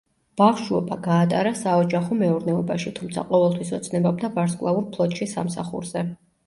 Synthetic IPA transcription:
b̥aχʃuɔbaɡaːt̪ʼa̰ɾasaɔd͡ʒaχɔmɛuɾnɛɔbaʃit̪ʰumt̪sʰa̰qʼɔvɛlˠt̪ʰwisɔt̪sʰnɛbab̚d̪abaɾskʼlˠauɾpʰlˠɔt̪ʼʃisa̰msa̰χṵɾz̥ɛ

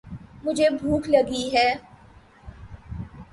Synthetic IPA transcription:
mʊd͡ʒʱebʱuːkʰlɐɡiɦɛː

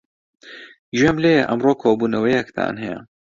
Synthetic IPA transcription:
ʒemleʔɐmroːkʰoːbuːnɐwɐjɛkt̪ʰa̰ːnɦɛjɛ̰

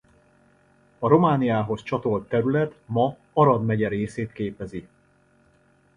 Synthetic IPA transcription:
ɒɾo̞maːnijaːɦo̞st͡ʃɒt̪o̞lt̪ːɛɾylɛt̪mɒ | ɒɾɒd̪mɛɟɛɾeːseːt̪keːpɛzi

